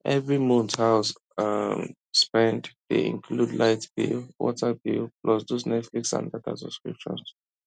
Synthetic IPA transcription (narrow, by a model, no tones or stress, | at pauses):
ʔɛvɹimũnthaws | am | spɛ̃nddḛḭ̃nkʰludlajtb̥ḭlwɔ̰tʰəbilpʰlɔsdosnɛtfliksã̰ndata̰sɔ̥skɹḭp̚t͡ʃɔ̰s